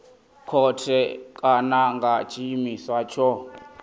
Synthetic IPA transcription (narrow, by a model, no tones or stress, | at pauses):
kʰɔtʰɛkʼanaŋɡat͡ʃʰʼiimiswat͡ʃʰɔ